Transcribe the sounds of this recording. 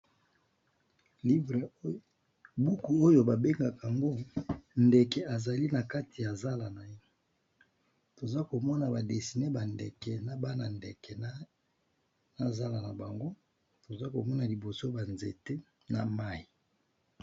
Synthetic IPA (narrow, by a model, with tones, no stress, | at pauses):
li˦bʁ | bu˦ku˨o˦jo˨ba˨be˦ŋɡa˨ka˨a˨ŋɡo˦nde˨kɛ˨a˨za˨li˦na˨ka˦tʰi˨ja˨za˦la˨na˨je˦ | to˨za˦ko˨mɔ˦na˨ba˨de˨si˨ne˦ba˨ndɛ˨kɛ˨na˨ba˦na˨ndɛ˨kɛ˨˦ | na˨za˦la˨na˨ba˨ŋɡo˦ | to˨za˦ko˨mɔ˦na˨li˨bo˨so˦ba˨nze˨te˦ | na˨ma˦i˨